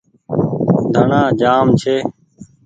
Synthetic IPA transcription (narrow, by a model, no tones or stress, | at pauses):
d̪ʱəɳãːd͡ʒaːmt͡ʃʰeː